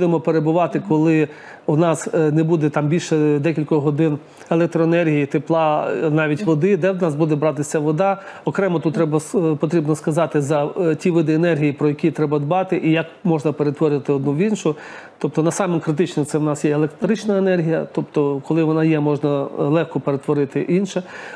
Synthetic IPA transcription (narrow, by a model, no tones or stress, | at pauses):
d̪ɪmɔpeɾebʊʋɑt̪ɪkɔlˠɪ | wnɑsnɛbud̪ɛt̪ɑmbʲilʲʃɛd̪ɛkʲilʲkɔɦɔd̪ɪn | elˠɛk̚t̪ɾɔenɛrɦʲijit̪eplˠɑnɑʋʲitʲʋɔd̪ɪd̪ɛd̪nɑzbud̪ɛbɾɑt̪ɪsʲɐʋɔd̪ɑ | ɔkɾɛmɔt̪ut̪t̪ːɾɛbɐspɔt̪ɾʲibnɔskɐzɑt̪ɪzɐtʲiʋɪd̪ɪenɛrɦʲijipɾɔjɐkʲit̪ɾɛbɐd̪bɑt̪ɪʔijɐkmɔʒnɐpeɾet̪ʋɔɾʲɪɐt̪ɪɔd̪nuʋʲinʃʊ | t̪ɔp̚t̪ɔnɐsɑmɪmkɾɪt̪̬ɪt͡ʃnɛsɛwnɑsjɛelˠekt̪ɾɪt͡ʃnɐenɛrɦʲijɐ̰t̪ɔpt̪ɔkɔlˠɪʋɔnɑjɛmɔʒnɐlˠɛxkɔpeɾet̪ʋɔɾɪt̪ɪʔinʃɛ